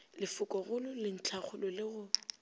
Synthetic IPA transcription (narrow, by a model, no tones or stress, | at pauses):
lɪfʊkʼɔɣʊlʊlɪn̩t͡ɬʰaχʊlɔlɪɣʊ